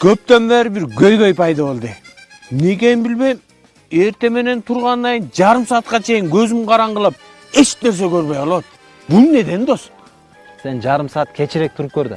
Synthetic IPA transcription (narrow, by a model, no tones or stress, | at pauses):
kʰøp̚t̪ømbæːɾbiɾɡø̞jɡø̞jpʰɑjd̪ɑβolˠd̪ɯ | mne̞ke̞jimbilbe̞jm | e̞ɾt̪e̞me̞ne̞nt̪ʰuɾʁɑnːɑjnd͡ʒɑɾɯmsɑːt̪̚qɑt͡ʃʰe̞jiŋɡø̞zymqʰɑɾɑɴʁɯlˠɯp̚ | e̞t͡ʃne̞ɾs̬e̞køɾβø̞jolˠot̪̚ | bunne̞d̪e̞nd̪os | se̞nd͡ʒɑɾɯmsɑːt̪kʲʰe̞t͡ʃiɾe̞k̚t̪ʰuɾup̚køɾd̪ɪ̰